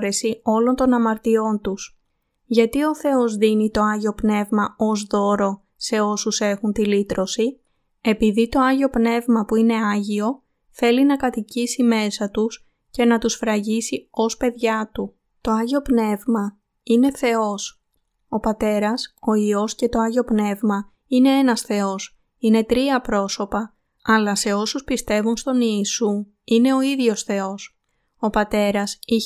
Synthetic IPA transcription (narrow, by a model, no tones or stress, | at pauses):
ɾe̞sio̞lo̞nt̪o̞nɐmɐɾt̪io̞nt̪us | ʝɐt̪io̞θe̞o̞zðinit̪o̞ɐʝio̞pne̞vmɐo̞zðo̞ɾo̞ | se̞o̞suse̞xunt̪ilit̪ɾo̞si | e̞piðit̪o̞ɐʝio̞pne̞vmɐpuine̞ɐʝio̞ | θe̞linɐkɐt̪icisime̞sɐt̪us | ce̞nɐt̪usfɾɐʝisio̞spe̞ðʝɐt̪u | t̪o̞ɐʝio̞pne̞vmɐ | ine̞θe̞o̞s | o̞pɐt̪e̞ɾɐso̞io̞sce̞t̪o̞ɐʝio̞pne̞vmɐ | ine̞e̞nɐsθe̞o̞s | ine̞t̪ɾiɐpɾo̞so̞pɐ | ɐlɐse̞o̞suspist̪e̞vunst̪o̞niːsu | ine̞o̞iðʝo̞sθe̞o̞s | o̞pɐt̪e̞ɾɐsi